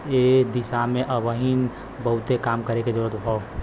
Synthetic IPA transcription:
ed̪ɪsamẽʔəʋəɦin | bəɦʊt̪ekaːmkəɾeked͡ʒəɾuət̪ɦo

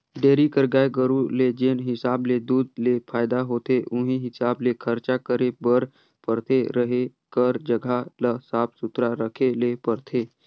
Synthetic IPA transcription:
ɖeːɾikəɾɡaːeɡəɾuled͡ʒeːnɦɪsaːbled̪uːd̪lepʰaːɪd̪aɦoːt̪eʔʊ̃ɦĩɦɪsaːblekʰəɾt͡ʃakəɾebəɾ | pəɾt̪ʰeɾəɦekəɾd͡ʒəɡʱaləsaːpsʊt̪ɾaɾəkʰelepəɾt̪ʰeː

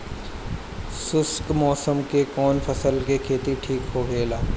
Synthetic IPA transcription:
sʊskmɔːsəmkekɔːnfʰəsəlkekʰeːt̪iʈʰiːkɦoɡeːlaː

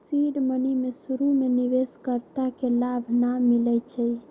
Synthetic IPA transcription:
siɖmənimesuɾumenibeskəɾt̪akelabʱnamilɛt͡ʃʰɛj

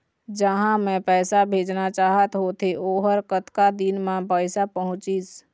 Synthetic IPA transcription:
d͡ʒəɦãmɛ̃pɛːsabʱeːd͡ʒnat͡ʃaːɦət̪ɦot̪eʔoːɦəɾkət̪kad̪inmãpəɪsapəɦʊ̃t͡ʃis

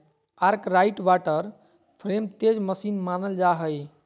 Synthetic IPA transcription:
aɾkɾaiʈʋaʈəɾ | pʰɾemt̪ed͡ʒməsinmanəld͡ʒaɦəj

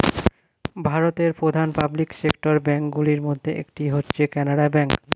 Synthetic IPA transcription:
bʱaɾot̪eɾpɾod̪ʱanpabliksekʈoɾbɛŋkɡuliɾmod̪ʱːeʔḛkʈiɦotːɕʰekɛnaɽabɛŋk

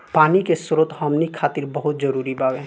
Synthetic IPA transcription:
paːnikesʊɾət̪ɦɔmnikʰːaːt̪ɪɾbɐɦʊt̪̚zɐɾuːɾibaːwɛ̃ː

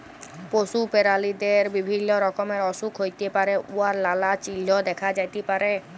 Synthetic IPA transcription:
poʃupeɾalid̪eɾbibʱinːoɾɔkomeɾɔʃukʰɦojt̪epaɾeʔuaɾlalat͡ɕilːod̪ɛkʰad͡ʑajt̪epaɾe

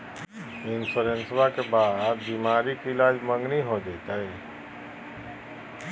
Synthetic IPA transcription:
ɪnsuɾensbakebaːd̪̚bimaːɾikiɪlaːd͡ʒmə̃ŋɡniɦod͡ʒet̪ae

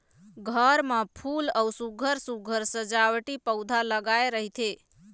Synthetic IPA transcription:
ɡʱəɾmə̃pʰuləwsuɡʱəɾsuɡʱəɾsəd͡ʒaʋʈipəwd̪ʱaləɡaeɾəɦit̪ʰe

